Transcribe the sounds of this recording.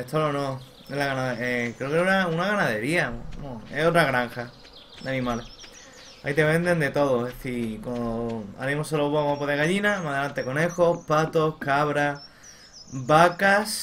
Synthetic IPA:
et̪ʰolonõ | elaɣanaðeekɾeokeeɾaunaɣanaðe̞ɾiaoamoeot̪ɾaɣɾaŋxa | d̪anĩmale | a̰it̪e̞βẽ̞nd̪e̞nd̪e̞t̪o̞ðoeðeθikoa̰ɾimosoloβamapoðeɣaʎinamaðelant̪eko̞ne̞xo̞pat̪o̞kaβɾa | bakas

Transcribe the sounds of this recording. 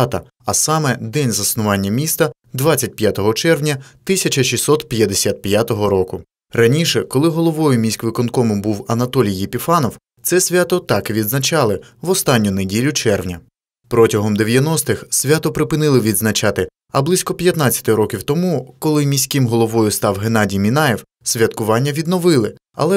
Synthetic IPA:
t̪ɐ̰ | ɐsɑmɛd̪ɛnʲzɐsnʊʋɑnʲːɐmʲist̪ɐ | d̪ʋɑt͡sʲɐt̚ʲpʲjat̪ɔɦɔt͡ʃɛrʋnʲɐt̪ɪsʲɐt͡ʃɐʃʲisɔt̪pʲjɐd̪esʲat̪̚pʲjat̪ɔɦɔɾɔkʊ | rɐnʲiʃɛkɔlˠɪɦɔlˠɔʋɔjʊmʲisʲkʋɪkɔnkɔmɪbuwɐnɐt̪ɔlʲijːepʲifɑnɔw | t̪sɛsʲʋʲat̪ɔt̪ɑkʋʲid̪znɐt͡ʃɑlˠɪʋɔst̪ɑnʲːʊnedʲilʲʊt͡ʃɛrʋnʲɐ | pɾɔtʲɐɦɔmd̪eʋʲjɐnɔst̪ɪxsʲʋʲat̪ɔpɾɪpɪnɪlˠɪʋʲid̪znɐt͡ʃɑt̪ɪ | ɐ̰blˠɪsʲkɔpʲjɐt̪nɑt͡sʲɐ̥t̪ɪɾɔkʲiwt̪ɔmukɔlˠɪmʲisʲkɪmɦɔlˠɔʋɔjʊst̪ɑwɦenɑdʲijmʲinɑjɛw | sʲʋʲɐt̪kʊʋɑnʲːɐʋʲid̪nɔʋɪlˠɪ | ɐ̰lˠɛ

